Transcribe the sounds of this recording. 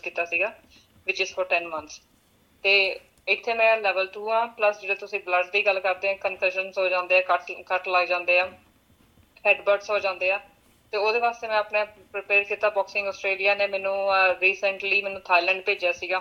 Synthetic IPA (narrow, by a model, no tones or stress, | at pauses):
kiːt̪ːaːsiːɡaː | ʋɪt͡ʃɪzfʰɔːɾʈɛːnmənt̪s | t̪eː | ɪkt̪ʰːeːmɛ̃ːlɛːʋəlʈuːãːpləsd͡ʒədoːt̪ʊsĩːbləɖd̪iːɡəlːkəɾd̪eːãːkənfɛʃənsɦoːd͡ʒãːnd̪eːaːkəʈkəʈləɡd͡ʒãːnd̪eːãː | hɛːɖbəɾɖsɦoːd͡ʒãːnd̪eːaː | t̪eːoːd̪eːʋaːst̪eːmɛ̃ːəpneːpɾɪpeːɾkiːt̪aːbɔːksɪ̃ŋɡɔːsʈɾeːlijaːneːmɛːnũːɾiːsəɳʈliːmɛ̃ːnũːt̪ʰaːilɛ̃ːɳɖ̚peːd͡ʒaːsiːɡaː